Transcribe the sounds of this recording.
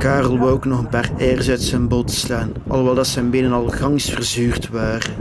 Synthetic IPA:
kaːrəlˠboknɔxənpaːrɛːrzœɥtsɛnbotə̥slaːn | ɑ̰lˠʋɛlˠdɑtsɛjnbɪnənɑlˠɣɑŋsfərzyːrtʋaːrə

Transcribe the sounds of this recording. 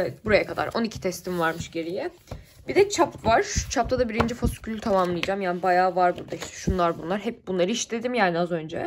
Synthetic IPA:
evɛt̪̚buɾajakʰad̪a̰ɾʔo̞nicʰi̥t̪ʰɛst̪ʰimvaɾmɯʃɟe̞ɾijɛ | b̥id̪ɛt͡ʃʰapvaɾ̥t͡ʃʰap̚t̪ʰad̪abiɾind͡ʒifoskʰylʲyt̪ʰamamlˠɯjd͡ʒamjaːnibajaːvaɾbuɾd̪aiʃt̪y̥ʃunlˠaɾbunlˠaɾɦɛp̚bunlˠaɾɯiʃt̪ʰe̞d̪imjaːniazø̞nd͡ʒɛ̰

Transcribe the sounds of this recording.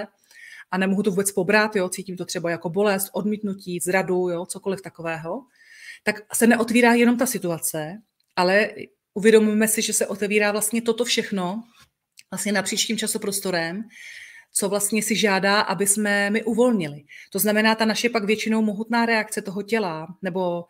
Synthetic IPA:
ʔanɛmoɦut̪o̞vuːbɛt͡spo̞bɾat̪jo̞t͡siːciːmt̪or̥ɛbajako̞bo̞lɛst̪ʔo̞dmiːt̪nuciːzɾadujot͡so̞ko̞lɪft̪ako̞vɛːɦo̞ | t̪aksɛnɛʔo̞t̪viːɾaːjɛnomt̪asɪt̪uat͡sɛ | ʔalɛ | ʔuvjɛdo̞mujɛmɛsɪʒɛsɛʔo̞t̪ɛviːɾaːvlast̪ɲɛt̪ot̪o̞fʃɛxno̞ | vlast̪ɲɛnapr̥iːt͡ʃciːmt͡ʃasupɾost̪o̞ɾɛm | t͡so̞vlast̪ɲɛsɪʒaːdaːʔabɪsmɛmɪʔuvo̞lɲɪlɪt̪o̞znamɛnaːt̪anaʃɛpaɡvjɛt͡ʃɪno̞wmo̞ɦut̪naːɾɛakt͡sɛt̪o̞ɦo̞cɛlanɛbo̞

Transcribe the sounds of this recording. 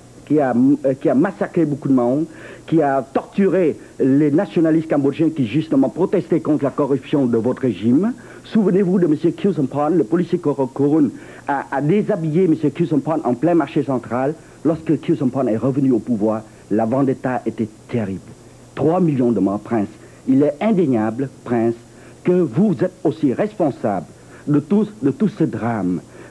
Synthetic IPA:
kʲiakʲiamasakχebokud̪əmãkʲiat̪ɔʁt̪yʁe | lenasjɔnalist̪̚kãbɔʒɛ̃kʲiʒyst̪əmɑ̃pχɔt̪ɛst̪ɛkɔ̃t̪χəlakɔʁypsjɔ̃d̪əvɔt̪əʁeʒim | suvənevud̪əməsjøkʰismpɔnləpɔlisjekkɔʁɔn | aːd̪ezabijeməsjøkisəmpɔnʔɑ̰̃plɛ̃maʁʃesɑ̃t̪χalː | ɔʁskəkusɔmpɔnɛʁəvənyopuvwaːʁ | lavɑ̃d̪et̪aʔet̪ɛt̪ʰeʁibl | t̪χwamiljɔ̃d̪əmɑ̃pχɛ̃s | ilɛɛ̃d̪eɲablpχɛ̃s | kəvuzɛt̪osiʁɛspɔ̃sa̰bl | d̪ət̪ud̪ət̪usəd̪ʁam

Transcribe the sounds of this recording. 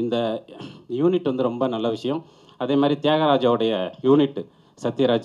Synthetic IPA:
ɪnd̪ɐ | juːnɪʈːʋɐnd̪ɯɾɔmbɐnɐlːɐʋɪʂɐjɐ̃m | ɐðeːmaːd̪ɾit̪ɪjaːɣɐɾaːd͡ʒaːʋɯɽɐjɐjuːnɪʈːɯ | sɐt̪ːɪjɐɾaːd͡ʒ

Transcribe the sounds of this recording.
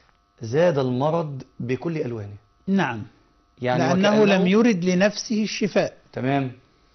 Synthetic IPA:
zæːd̪ælmɑɾˤɑd̪ˤbɪkʊlːʔælwæːni | naʕam | jaʕnɪʔanːæhʊlæmjʊɾɪd̪lɪnæfsɪhɪʃːɪfæːʔt̪æmæːm

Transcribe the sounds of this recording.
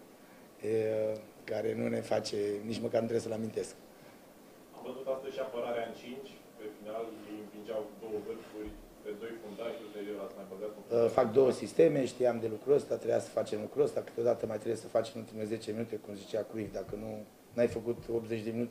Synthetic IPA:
e | kaɾe̞nune̞fat͡ʃe̞nit͡ʃməkarnut̪ɾeesəleamint̪e̞sk | amvəzut̪ast̪əzʃiapəɾaɾeaɨnt͡ʃint͡ʃʲ | pe̞finaliiɱpind͡ʒawd̪o̞wəvɨrfurʲ | ped̪o̞jfund̪aʒut̪eɾieɾasmajbəzat̪fak̚d̪o̞wəsist̪e̞me̞ʃt̪ijamd̪e̞lukɾuəst̪at̪ɾejasə̥fat͡ʃe̞mlukɾuəst̪akɨ̥t̪eo̞d̪at̪əmajt̪ɾebjesəfat͡ʃe̞mult̪imeze̞t͡ʃeeminut̪e̞kumzit͡ʃeakɾuivʲd̪akənu | najfəkut̪o̞p̚t̪zet͡ʃd̪e̞minut̪e

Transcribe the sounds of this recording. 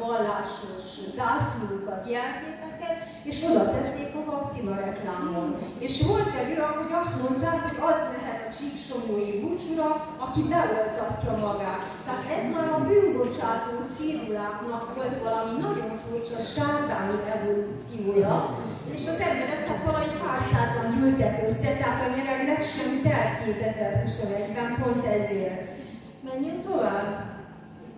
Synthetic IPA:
ɒlːaːʃo̞ʃzaːsulukɒt̪jɛlkeːt̪ɛkɛt̪ | eːʃo̞d̪ɒt̪ɛt̪ːeːkovɒk̚t̪sivɒɾɛklaːmoneːʃʋolt̪ɛløːɒɦo̞ɟɒst̪mo̞nt̪aːkho̞ɟɒznɛɦɛt̪ɒt͡ʃikt͡ʃo̞moːjibut͡ʃuɾɒ | ɒkibɛolt̪ɒcːɒmɒɡaːt̪ːɛat̪ɛzmajd̪ɒbyːnbo̞t͡ʃaːt̪oːt̪siːɾulaːknɒkʋo̞lt̪ʋɒlɒminɒɟo̞ɱfurt͡ʃɒʃaːt̪aːniʔɛvolut̪sioːjɒt̪ | eːʃɒzɛmbɛɾɛk̪nɛk̪ʋɒlɒmipaːrsaːzɒɲɟylt̪ɛkøsɛt̪ɛɦaːt̪ɒɲɛɾɛknɛkʃɛmt̪ɛlkeːt̪ɛzɛrɦusonɛɟbɛmpo̞nt̪ɛzeːrt̪ | mɛɲːɛnt̪o̞vaːb

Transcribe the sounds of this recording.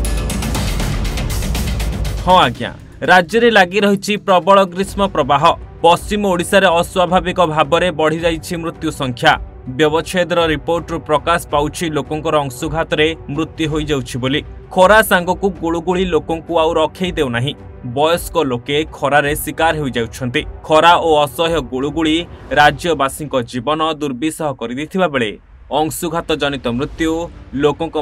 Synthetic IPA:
hɔ̃aɡja̰ | ɾad͡ʒjɔɾelaɡiɾɔɦit͡ʃʰipɾɔbɔɭɔɡɾismɔpɾɔbaɦɔpɔst͡ʃimɔoɽisaɾeɔswabʱabikɔbʱabɔɾebɔɽ̤id͡ʒajt͡ʃʰimɾut̪jusɔŋkʰja | bjɔbɔt͡ʃʰed̪ɾɔɾipoɾʈɔɾupɾɔkasɔ̥pawt͡ʃʰilokɔŋkɔɾɔːŋsuɡʱat̪ɔɾemɾut̪juɦojd͡ʒawt͡ʃʰiboli | kʰɔɾasaŋɡɔkuɡuɭuɡuɭilokɔŋkuawɾɔkʰejd̪ewnaɦĩ | bɔjɔskɔlokekʰɔɾaɾeswikaɾɦojd͡ʒawt͡ʃʰɔnt̪ikʰɔɾaoɔsɔɦjɔɡuɭuɡuɭiɾad͡ʒjɔbasiŋkɔd͡ʒibɔnɔd̪uɾbisɔɦɔkɔɾit̪it̪ʰibabeɭe | ɔŋsuɡʱat̪ɔd͡ʒɔnit̪ɔmɾut̪julokɔŋkɔ

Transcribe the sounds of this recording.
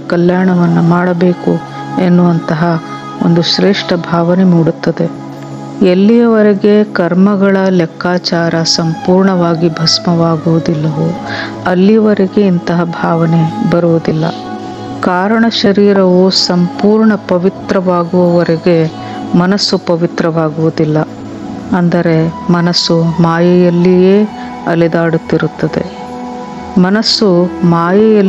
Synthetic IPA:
kɐljaːɳɐʋɐnːumaːɽɐbe̞ːku | enːuʋɐnt̪ɐɦɐ | o̰nd̪uʃɾeːʂʈɐbʱaːʋɐnemuːɽut̪ːɐd̪e̞ | elːijɐʋɐɾeɡe̞kɐɾmɐɡɐɭɐlɛkʰːaːt͡ʃaːɾɐsɐmpuːɾɳɐʋaːɡibʱɐsmɐʋaːɡuʋud̪ilːɐʋu | ɐlːijɐʋɐɾeɡe̞int̪ɐɦɐbʱaːʋɐnebɐɾuʋud̪ilːɐ̰ | kaːɾɐɳɐʃɐɾiːɾɐʋusɐmpuːɾɳɐpɐʋit̪ɾɐʋaːɡuʋɐʋɐɾeɡe̞ | mɐnɐsːupɐʋit̪ɾɐʋaːɡuʋud̪ilːɐ | ɐnd̪ɐɾe̞mɐnɐsːumaːjɐjɐlːijeː | ɐlɛd̪aːɽut̪ːiɾut̪ːɐd̪e̞̰ | mɐnɐsːumaːjɐjɐ

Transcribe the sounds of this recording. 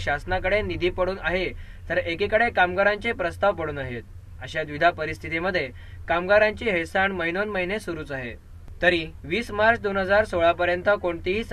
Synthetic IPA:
ɕasnakəɽenid̪ʱiːpəɽuːnaɦe | t̪əɾekikəɽekamɡaɾãɲt͡ɕepɾəst̪aʋpəɽuːnaɦet̪̚ | əɕad̪ʋid̪ʱapəɾist̪ʰit̪iməd̪ʱːje | kamɡaɾãɲt͡ɕiːɦesaɳməɦinonməɦinesuɾuːt͡saɦḛ | t̪əɾiʋiːsmaɾt͡sd̪onɦəd͡zaɾsoɭapəɾjənt̪əkoɳt̪iɦiːt͡s

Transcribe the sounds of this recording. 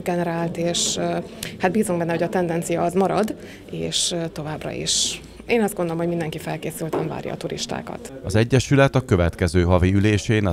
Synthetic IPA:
ɡɛnɛɾaːlt̪eːʃ | hat̪̚biːzuŋɡbɛnːɛɦo̞ɟɒt̪ɛnd̪ɛnt̪sijɒːzmɒɾɒd̪ | ḛːʃt̪o̞vaːbrɒ̰ḭʃ | eːnɒzd̪ɡond̪olomhomind̪ɛŋkifɛlkeːsylt̪ɛɱva̰ːɾjɒ̰ːt̪uɾḭʃt̪a̰ːkɒ̰t̪ɒzɛɟːɛʃylɛt̪ɒkø̞vɛt̪kɛzøːɦɒviyleːʃeːnɒ

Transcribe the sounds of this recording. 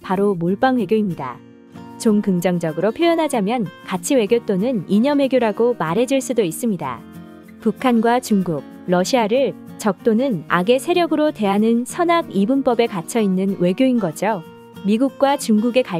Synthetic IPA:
paɾomoɭp͈anwe̞ɡjoimɲida̰ | t͡ɕoŋkɯŋd͡ʑʌŋd͡ʑʌɡɯɾopʰjojʌnɦad͡ʑamjʌnkat͡ɕʰiwe̞ɡjot͈onɯniɲʌmwe̞ɡjoɾaɡomaɾɦe̞d͡ʑiɭs͈udois͈ɯmɲida̰ | pukʰanɡwat͡ɕuŋɡuk̚ | ɾʌɕʰiaɾɯɭ | t͡ɕʌk̚t͈onɯna̰ɡe̞sʰe̞ɾjʌɡɯɾote̞ɦanɯnsʰʌnaɡibump͈ʌbe̞kat͡ɕʰʌinːɯnwe̞ɡjoinɡʌd͡ʑo | miɡuk̚k͈wat͡ɕuŋɡuɡe̞ka

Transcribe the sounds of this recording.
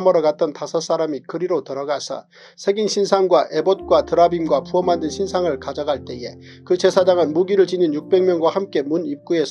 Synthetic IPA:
mʌɾʌɡat̚t͈ʌntasʰʌs͈aɾamikɯɾiɾotɯɾʌɡasʰʌ̰ | sʰe̞ɡinɕʰinsʰaŋɡwaʔe̞bot̚k͈watɯɾabinɡwapuʌmandɯnɕʰinsʰaŋɯɭkad͡ʑaɡaɭt͈e̞je̞ | kɯt͡ɕe̞sʰad͡ʑaŋɯnmuɡiɾɯɭt͡ɕiɲinjuk̚p͈e̞ŋmjʌŋɡwahamk͈e̞munip̚k͈ue̞sʰ

